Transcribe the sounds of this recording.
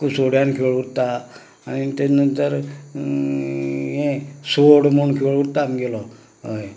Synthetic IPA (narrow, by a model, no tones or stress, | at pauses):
kusoɽjankʰoɭut̪ːaː | nit̪enənt̪əɾ | jẽsoɽmuɳkʰoɭut̪ːamiɡelɔ | ɦəj